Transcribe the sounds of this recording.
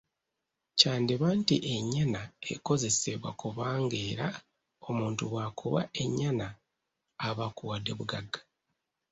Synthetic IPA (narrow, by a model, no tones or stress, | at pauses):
caːndiβaːntiʔe̞ɲːanae̞̰ko̞ze̞seβwa̰kuβaːŋɡe̞ːɾa | o̞muːntuβakʰuβa̰e̞ɲːanaː | βakuwade̞βuɡaɡḁ